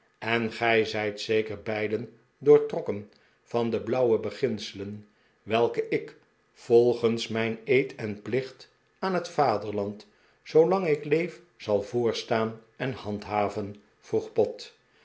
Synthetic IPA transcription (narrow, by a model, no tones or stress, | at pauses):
ɛnχɛjzɛjtsejkərbɛjdən | dʊːɹtrɔkən | v̥ɑndəblʌwəbəχɪnsələn | ʋɛlˠkəʔɪk | v̥ɔlˠχənsmɛjnejtɛnplɪχt | aːnɦətfaːdəɹlɑnt | sowlɑŋɪklejf | z̥ɑlˠvʊːɹstaːnɛnhɑntɦaːvən | v̥ruχpɔt